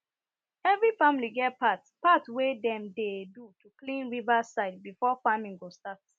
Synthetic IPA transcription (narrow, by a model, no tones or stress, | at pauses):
ɛvɹifãmiliɡɛtpatpatwedɛ̃mdedutʰuklĩnɹivasaɪd̚bifɔfamĩŋɡostat